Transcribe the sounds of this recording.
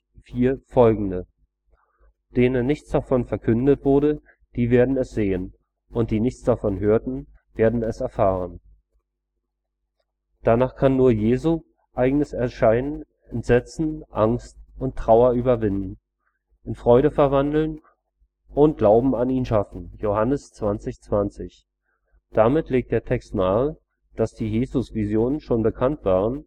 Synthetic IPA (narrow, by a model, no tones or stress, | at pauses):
fiːɐfɔlɡŋ̩də | d̥eːnənːɪçt͡sd̥afɔnfɛɐkʰʏndətv̥ʊɐɾə | d̥iːveːɐdn̩ɛsz̥eːən | ʔʊnt̚d̥iːnɪçt͡sd̥afɔnɦøːɐtn̩ | v̥eːɐdn̩ɛsɛɐfaːʁən | d̥anaːχkʰanːuːɐjeːzu | ʔaɪɡnəsɛɐʃaɪnən | ɛntz̥ɛt͡sn̩ʔaŋstʊntʁ̥aʊɐyːbɐvɪndn̩ | ʔɪnfʁ̥ɔʏɾəfɛɐvandl̩n | ʔʊnt̚ɡ̥laʊbm̩aniːnʃafn̩johanəst͡sv̥ant͡sɪçt͡sv̥ant͡sɪç | d̥amɪtʰleːk̚td̥eːɐtʰɛkstnaːl | d̥asd̥iːjeːzʊsv̥izjoːnənʃoːnbəkʰantv̥aːʁ̞ən